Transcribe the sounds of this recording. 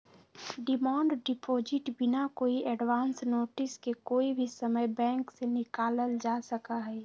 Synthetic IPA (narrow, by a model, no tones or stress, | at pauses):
ɖɪmãːɳɖɖɪpʰoːd͡ʒɪʈbɪnakoːiʔɛɖʋaːnsnoːʈɪskekoːibʱisəməjbɛ̃ːŋksenɪkaːləld͡ʒaːsəkaɦɛː